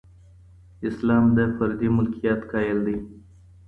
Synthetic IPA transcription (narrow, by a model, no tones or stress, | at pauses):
ɪslɑmd̪əfaɾd̪imʊlkʰijɑt̪kʰɑjəld̪ij